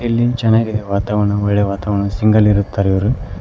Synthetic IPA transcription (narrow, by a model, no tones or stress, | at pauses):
ilːit͡ʃɛnːaːɡid̪eʋaːt̪aːʋɐɳɐɔɭːeʋaːt̪aːʋɐɳɐsiŋɡɐliɾut̪ːaːɾiʋɐɾu